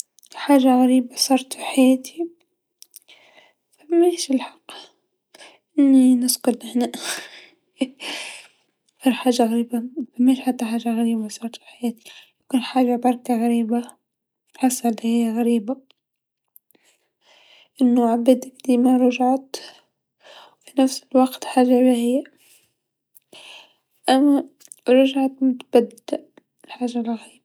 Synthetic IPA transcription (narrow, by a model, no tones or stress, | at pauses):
ħaːʒaɣaɾiːbasˤɑːɾˤt̪fiħajaːt̪ʰi | fameːʃɪlħɑ̥qː | ʔɪnːinɪskʊd̪nɪħna | ʔɑɾˤħaːʒaɣaɾiːbafameːʃħat̪ːaħaːʒaɣaɾiːbasˤɑːɾˤt̪fi̥ħajaːt̪i̥lakɪnħaːʒabɑɾˤkaɣaɾiːba | ħasːalhɪjːaɣaɾiːba | ʔɪnːoʕabɪd̪akd̪iːmaɾˤʊʒʕat̪ | wfinafsɪlwaɡt̪ħaːʒabahɪjːa | ʔamːa | ɾˤʊʒʕat̪mʊt̪b̥ad̪aʔ | lħaːʒalɣaiːba